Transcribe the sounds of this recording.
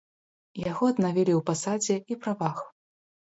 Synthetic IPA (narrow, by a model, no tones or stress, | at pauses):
jaɣɔɐd̪navʲilʲiwpasad͡zʲɛipɾavax